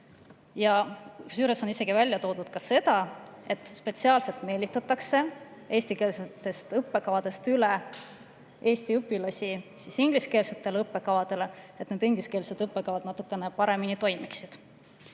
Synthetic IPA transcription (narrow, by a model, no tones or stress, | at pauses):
jɑsyːɾesonise̞ɡ̥ivælʲjɑt̪o̞ːd̪̥ud̪̥kɑse̞d̪ɑe̞t̪ːˑspe̞t̪siɑːlse̞lt̪ˑme̞ːlʲit̪ːˑɑt̪ːˑɑkse̞e̞ːsʲt̪ike̞ːlset̪ːe̞st̪ɤpːe̞kɑvɑd̪e̞st̪yle | e̞ːsʲt̪iɤpːˑilɑsʲisisiŋɡ̥liske̞ːlse̞t̪ːe̞lɤpːe̞kɑvɑd̪̥e̞le̞et̪ned̪̥yŋɡ̥liske̞ːlset̪ɤpːekɑvɑd̪̥nɑt̪ːˑukːˑe̞nepɑɾe̞minit̪o̞jmiksid̪̥